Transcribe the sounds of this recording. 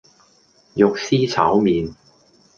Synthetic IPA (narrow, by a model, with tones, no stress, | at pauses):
jʊ˨k̚siː˥t͡sʰa̰ː˨˥wmiː˨n